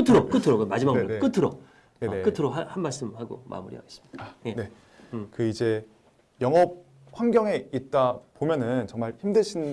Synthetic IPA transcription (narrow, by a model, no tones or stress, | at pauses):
kɯtʰɯɾok͈ɯtʰɯɾokɯmad͡ʑimaɡnenek͈ɯtʰɯɾo | e̞nekɯtʰɯɾoɦahanmaɭs͈ɯmhaɡo̰ma̰muɾḭɦaɡes͈ɯmi̥aene̞ | kɯid͡ʑe̞ | jʌŋʌp̚ | ɸwaŋɡjʌŋe̞it̚t͈apomjʌnɯnt͡ɕʌŋmaɭçimdɯɕʰin